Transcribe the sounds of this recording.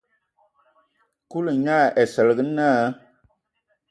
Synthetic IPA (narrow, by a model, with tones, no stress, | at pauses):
ku˦lɨ˨ɲa˦˨ʔɛ˨sə˨lɡɨ˦na˦˨˦